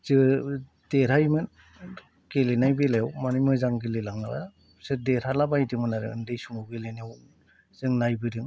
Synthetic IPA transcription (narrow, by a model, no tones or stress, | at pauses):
zɯ | d̥eɾajmɯn | kelenajbelajawmanɯjmɯzaŋɡelelaŋnaba̰ja | sɯdeɾalabajdɯmɯnaɾɯ̰ɯ̰ndɯjsuŋɯwɡelenew | zɯŋnajbɯdɯŋ